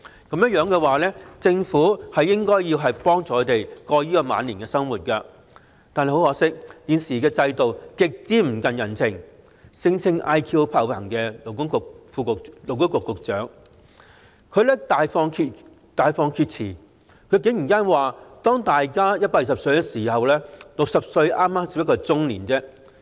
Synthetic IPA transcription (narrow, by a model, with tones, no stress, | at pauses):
kɐ˨˥mjɐ˥t̚jœː˨˧ŋkɛː˧waː˨lɛː˥t͡sɪ˧ŋfuː˨˥hɐ˨jːɪ˥ŋkɔː˥jiː˧wɦɐ˨jpɔː˥ŋt͡sɔː˨kʰːt̪e˨˩jkɔː˧jiː˥kɔː˧ma̰ː˨˧nliː˨˩nkɛː˧sɐ˥ŋwuː˨˩t̚kɐ˧ | t̪aː˨nhe˨jho˧˥hɔː˨˥sɪ˥k̚jiː˨˧nsiː˨˩kɛː˧t͡sɐ˧jt̪o˨wkɪ˨k̚t͡siː˨˥m̩˨˩kɐ˨njɐ˨˩nt͡sʰɪ˨˩ŋ | sɪ˧ŋt͡sʰɪ˧ŋʔa˥jkʰiː˧wpʰɐ˧wlɐ˨˩ŋkɛː˧lo˨˩wkʊ˥ŋkʊ˨fuː˧ʊ˨lo˨˩wkʊ˥ŋkʊ˨kːʊ˨k̚t͡sœː˨˥ŋ | kʰɵ˨˧ɥlɛː˥t̪aː˨jfɔː˧ŋkʰi˧ | t̪aː˨˧jfɔː˧ŋkʰi˧t̚t͡sʰiː˨˩ | kʰɵ˨˧ɥk̬ɪ˨˥ŋjiː˨˩nkaː˥nwaː˨˩t̪ɔː˥ŋt̪aː˨jkaː˥jɐ˥t̚paː˧k̚jiː˨sɐ˨psɵ˧ɥkɛ˧siː˨˩hɐ˨wlɛː˥lʊ˨k̚sɐ˨p̚sɵ˧ɥʔaː˥mːaː˥mt͡si˧˥jkɔː˧t͡sʊ˥ŋliː˨˩nt͡sɛː˥